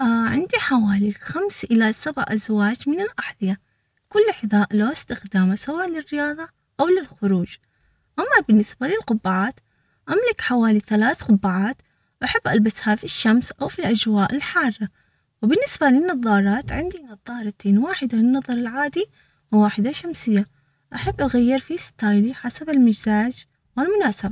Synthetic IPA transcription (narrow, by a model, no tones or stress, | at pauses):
ʔaʕɪ̰nd̪iħawaːlixamsʔɪlasabʕʔazwaːd͡ʒmɪnɪlʔaħðˤɨja | kʊlːħɪðˤaːʔlaɪst̪ɪxd̪aːmasawaːʔlɪrːɪjɑːðˤɑ | ʔawlɪlxʊɾuːd͡ʒ | ʔamːabɪnːɪsbalɪlqʊbːaʕaːt̪ | ʔamlɪkħawaːliθalaːθqʊbːaʕaːt̪ | ʔaħabːʔalbashafiʃːamsʔawfilʔad͡ʒwaːʔɪlħɑːrˤːɑ | wbɪnːɪsbalɪnːɑðˤːɑːɾˤɑːt̪ʕɪnd̪inɑðˤːɑːɾˤɑt̪eːnwaːħɪd̪alɪnːɑðˤɑɾˤɪlʕaːd̪i | wwaːħɪd̪aʃamsɪjːa | ʔaħabːʔaɣajːɪɾfist̪aːjliħasabɪlmad͡ʒzaːd͡ʒ | wɪlmʊnaːsaba